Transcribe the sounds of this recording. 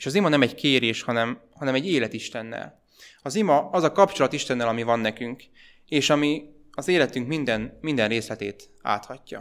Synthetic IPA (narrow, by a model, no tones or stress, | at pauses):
eːʃɒzimɒnɛmɛɟkeːɾeːʃhɒnɛm | hɒnɛmɛɟːeːlɛt̪iʃt̪ɛnːɛ̰l | ɒzimɒɒzɒkɒpt͡ʃo̞lɒt̪iʃt̪ɛnːɛlɒmivɒnːɛkyŋk | eːʃɒmi | ɒzeːlɛt̪yŋkmind̪ɛnmind̪ɛnreːslɛt̪eːt̪ | a̰ːt̪hɒcːɒ̰